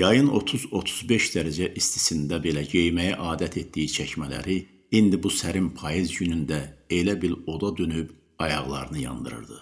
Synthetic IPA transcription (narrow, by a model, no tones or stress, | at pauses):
jɑjɯno̞̰t̪ʰuzo̞t̪ʰu̥zbe̞ʃd̪æɾæd͡ʒæʔist̪i̥sind̪æbe̞læɟe̞jmæjæʔɑːd̪æt̪ʰe̞t̪d̪ijit͡ʃʰæçmælæ̰ɾi | ind̪ibusæɾimpʰɑjizɟynynd̪æe̞læbiɾo̞d̪ɑd̪ønyb | ɑjɑʁlˠɑ̰ɾɯnɯjɑ̰nd̪ɯɾɯ̰ɾd̪ɯ